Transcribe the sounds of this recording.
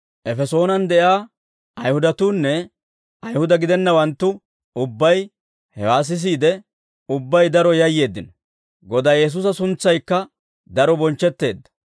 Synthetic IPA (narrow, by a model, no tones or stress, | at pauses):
ʔɛfɛso̞ːnɐnd̪ɛʔaː | ɐjhʊd̪ɐt̪uːnːɛ | ɐjhʊd̪ɐɡɪd̪ɛnːɐwɐnt̪ːʊ | ʊbːɐj | hɛwaːs̬ɪs̬iːd̪ɛ | ʊbːɐjd̪ɐɾɔjɐjːe̞ːd̪ːɪnɔ | ɡɔd̪aːjɛs̬uːs̬ɐsʊnt͡sːɐjkːɐ | d̪ɐɾɔbɔnt͡ʃːɛt̪ːe̞ːd̪ːɐ̥